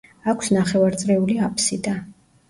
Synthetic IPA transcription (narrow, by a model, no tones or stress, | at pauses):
akʷʰsnaχɛvaɾt̪sʼɾɛuliapʰsid̪a